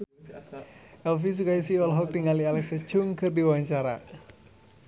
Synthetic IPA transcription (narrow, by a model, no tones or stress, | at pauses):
ʔɛlfis̬ukajisiɔlɦɔk̚diŋalialɛksə̥t͡ʃʊŋkɨrdiwaɲt͡ʃaɾa̰